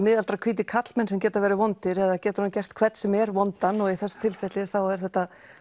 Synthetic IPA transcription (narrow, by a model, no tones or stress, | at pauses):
mɪːðalt̪ɾakʰviːt̪̬ɪkʰat̪lmɛnsɛmcɛːt̪avɛːɾɪavɔnt̪ɪɾɛðacɛːt̪ʏɾhancɛr̥t̪kʰv̥ɛt̪sɛmɛɾvɔnt̪anɔiθɛsːḁt̪ʰɪlfɛt̪lɪθawɛɾ̥θɛht̪ːa